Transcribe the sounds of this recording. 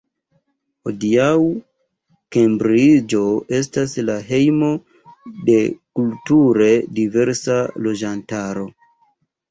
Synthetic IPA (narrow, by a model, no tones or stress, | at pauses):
hodiaw | kembɾid͡ʒo̞e̞s̬taslaɦe̞jmo̞ | de̞kultuɾe̞dive̞ɾsalo̞d͡ʒantaɾo̞